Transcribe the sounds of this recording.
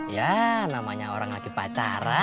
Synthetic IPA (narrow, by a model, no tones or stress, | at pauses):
janamaɲaoɾaŋlaɡipat͡ʃaɾa